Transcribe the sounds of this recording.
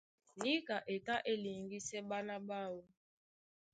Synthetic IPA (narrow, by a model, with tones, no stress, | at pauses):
ni˦ka˨ʔe˨ta˦ʔe˦li˨ŋɡi˦sɛ˦ba˦la˦ba˦˨wɔ˦